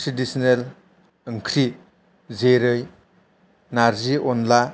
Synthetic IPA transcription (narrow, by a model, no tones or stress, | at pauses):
sidisinel | ɯŋkʰɾi | zeɾɯj | naɾziɔnla